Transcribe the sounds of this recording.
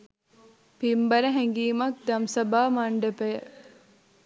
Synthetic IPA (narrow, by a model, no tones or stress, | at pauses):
pimbɐɾɐɦeŋɡiːmɐk̚d̪ɐmsɐbaːmɐɳɖepejə